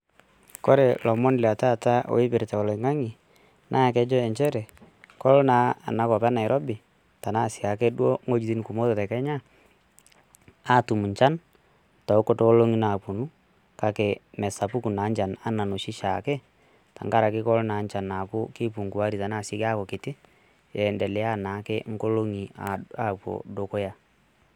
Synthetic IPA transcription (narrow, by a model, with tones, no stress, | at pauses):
kɔ˦ɾɛ˨lɔ˨mɔ˦nla˨ta˦˨ta˦o̰˨ɪ˦pɪ˨ɾta˨ɔ˨lɪ˨ŋa˦ŋɪ˨ | nʔa˦˨kɛ˦d͡ʒɔ˦ɛ˨ɲt͡ʃɛ˦ɾɛ˨ | kɔ˦lna˨˦a̰˨na˨kɔ˨pa˦na˨ɪ˨ɾʔɔ˦bɪ˨ | ta˨na˦˨sɪ˨a˨kɛ˦dwo˦ŋo˦d͡ʒi˨ti˦nku˨mo˦tɔ˨tɛ˨kɛ˦ɲa˦ | a˦˨tu˨mu˨ɲt͡ʃa˦n | ta˨˦kɔ˨to˦lo˦ŋi˦na˨pu˨nu˦ | ka˨ke˨mɛ˨sa˨pu˦ku˨na˨˦ɲt͡ʃa˨na˦na˨no˨ʃɪ˦ʃa˨kɛ˦ | ta̰˨ŋɡa˦ɾa˨kɪ˦kɔ˦lna˨˦nt͡ʃa˨na˨kʊ˦kɪ˦pu˨ŋku˨wa˦ɾi˨ta˨na˦˨sɪ˦ka˦kɔ˨kɪ˨tɪ˦ | jɛ˨ndɛ˨lɛ˦a˦na˨˦kɛ˦ŋ˦ko˦lo˦ŋi˨a˨a˨po̰˨do˨ko˦ja˦